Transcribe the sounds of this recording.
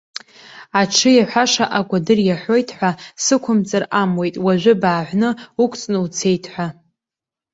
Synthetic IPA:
aʈ͡ʂʰɨjaħʷaʂaʔaɡʷʼadɨrjaħʷo̞jtʰħʷasɨkʷʰʊmt͡sʼaramwe̞jtʼwaʒᶣʷʊbaːʕʷnɨukʷʰʼt͡sʼnɨwt͡sʰe̞jtʰħʷa

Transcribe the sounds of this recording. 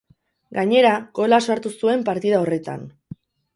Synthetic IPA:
ɡaɲe̞ɾaɡo̞lasaɾt̪usue̞mpaɾt̪iðao̞re̞t̪a̰n

